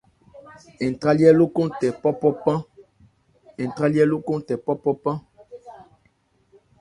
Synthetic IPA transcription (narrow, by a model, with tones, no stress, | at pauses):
ɛ̃˨tʁa˦ljɛ˦lo˦kɔ̃˦tɛ˨pɔ˦pɔ˦pã˦ | ɛ̃˨ta˦ljɛ˦lo˦kɔ̃˦tɛ˨pɔ˦pɔ˦pã˦